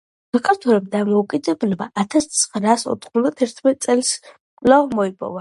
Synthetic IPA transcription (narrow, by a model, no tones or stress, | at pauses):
lakʼat̪ʰuɾɛb̚d̪amɔukʼid̪ɛblɛbaat̪ʰast̪sʰχɾasɔ̰t̪ʰχmud̪at̪ʰɛɾt̪ʰmɛt̪̚ʼsʼɛls | kʼlamɔipʼɔ̰va